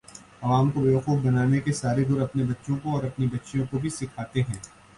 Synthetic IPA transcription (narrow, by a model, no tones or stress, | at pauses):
ɐʋaːmkobeːʋɐxuːfbɐnaːnekesaːɾed̪ʱʊɾɐpnebɐtːʃõkoɔːɾɐpnibɐtːʃjõkobʱisɪkʰaːt̪eɦɛ̃ː